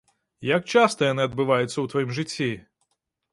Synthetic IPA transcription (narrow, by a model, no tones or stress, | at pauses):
jak̚t͡ʂast̪ɐjanɨɐd̪̚bɨvajut̪sːɐwt̪vajimʐɨt͡sʲːi